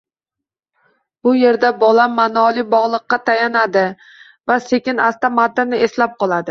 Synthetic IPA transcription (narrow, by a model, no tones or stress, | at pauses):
b̥ʊje̞ɾd̪abɒlamːanɒlˠɪbɒʁlˠɨqːɑt̪ʰajanad̪ɪ | vasekʲɪnast̪amad̪ɪnɪeslap̚qʰɒlˠad̪ɪ